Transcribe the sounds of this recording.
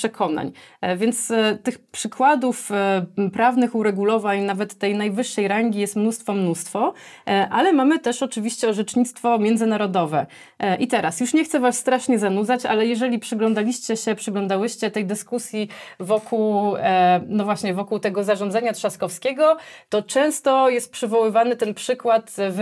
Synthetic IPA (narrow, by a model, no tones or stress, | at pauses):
pʂɛkʰɔna̰ɲvʲjɛnt̪st̪ɘxpʂɘkwad̪ufpɾavnɘxuɾɛɡulɔvaɲnavɛt̪ːɛjnajvɘʂːɛjɾaŋɡʲijɛst̪mnust̪fɔmnust̪fɔʔalɛmamɘt̪ɛʂɔt͡ʂɘvʲiɕt͡ɕɛɔʐɛt͡ʂɲit̪st̪fɔmʲjɛnd̪zɘnaɾɔd̪ɔvɛ | ʔit̪ɛɾasjuʂɲɛxt̪sɛvasst̪ɾaʂɲɛzanud̪zat͡ɕa̰lɛjɛʐɛlʲipʂɘɡlɔnd̪alʲiɕt͡ɕɛɕɛpʂɘɡlɔ̃nd̪awɘɕt͡ɕɛt̪ɛjd̪ɘskusʲjivɔkuw | nɔvwaɕɲɛvɔkuwt̪ɛɡɔzaʐɔ̃nd̪zaɲat̪ʂaskɔfskʲɛɡɔt̪ɔt͡ʂɛ̃w̃st̪ɔjɛst̪̚pʂɘvɔwɘvanɘt̪ɛnpʂɘkwat̪v